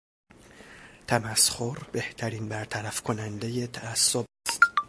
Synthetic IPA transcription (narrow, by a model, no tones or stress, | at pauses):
t̪ʰæmæsxoɾbe̞ht̪ʰæɾiːnbæɾt̪ʰæɾæfkʰonænd̪e̞je̞t̪ʰæːsːobæst̪